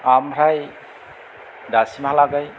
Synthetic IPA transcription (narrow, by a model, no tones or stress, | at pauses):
amɾaj | dasimɦalaɡaj